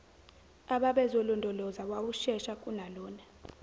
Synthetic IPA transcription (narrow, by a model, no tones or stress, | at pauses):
aɓaɓɛzɔlɔndʱɔlɔzawawuʃɛʃakʼunalɔːna